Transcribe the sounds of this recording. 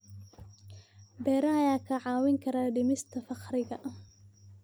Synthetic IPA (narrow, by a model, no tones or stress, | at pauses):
bɛːɾɐɐjaːkʰɐʕɑːwɪŋkʰɐɾaːɖɪmɪst̪ʰɐfɑqrɪɣɐʔ